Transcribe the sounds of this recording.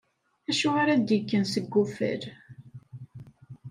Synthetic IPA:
æʃʊaɾad̪ikːənsəɡːufə̰ɾ

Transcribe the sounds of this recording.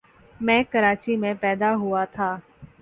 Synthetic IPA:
mɛ̃ːkəɾaːt͡ʃimẽpɛːd̪aɦʊat̪ʰaː

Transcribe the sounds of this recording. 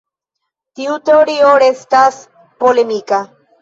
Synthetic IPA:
t̪iut̪eoɾioɾest̪as | polemika

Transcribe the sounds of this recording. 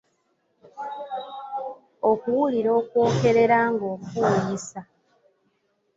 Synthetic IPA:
okuwuliɾo̞ːkwo̞ːke̞ɾe̞ɾaŋɡo̞ːkuojisa

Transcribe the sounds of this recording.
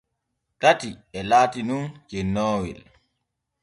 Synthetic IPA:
tatiɛlaːtinunkɛnːɔːwḭl

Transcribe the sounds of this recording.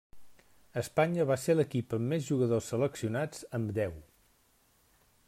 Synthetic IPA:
əspaɲəβaseləkipəmːezʒuɣəðosːələksiunad͡zəmd̪ɛw

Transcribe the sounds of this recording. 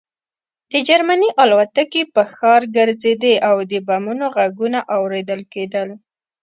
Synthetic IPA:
d̪̥əd͡ʒaɾmaniʔɑlwat̪akepəxɑɾɡəɾzed̪eʔawd̪əbamunoɣaɡunaʔawɾed̪əlked̪əl

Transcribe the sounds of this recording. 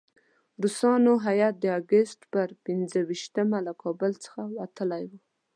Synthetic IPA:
ɾusɑnoɦajat̪̚d̪əaɡəst̪pəɾpɪnzəwiʃt̪əmalakʰɑbəlt͡sə̥xawat̪əlajwu

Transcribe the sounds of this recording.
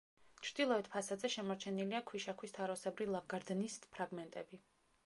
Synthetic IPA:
t͡ʃʰɾd̪ilˠɔɛt̪pʰasad̪zɛʃɛmɔɾt͡ʃʰɛniliakʰwiʃakʰwist̪ʰaɾɔsɛbɾilˠavɡaɾd̪nispʰɾaɡmɛnt̪ʼɛbi

